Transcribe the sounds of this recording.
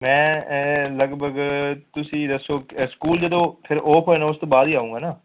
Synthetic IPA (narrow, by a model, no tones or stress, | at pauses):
mɛ̃ːləɡbəɡt̪ʊsĩːd̪əsoːskuːld͡ʒəd̪õːpʰɪɾʔoːpʰɦoenaːʊst̪oːbaːd̪iːaːũːŋɡaːnaː